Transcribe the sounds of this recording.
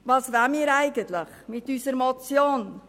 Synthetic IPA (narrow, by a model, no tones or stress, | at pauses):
vɑːsʋæmiːɾæɪɡənt̪lɪχmɪt̪ysəɾmɔt͡sjoːn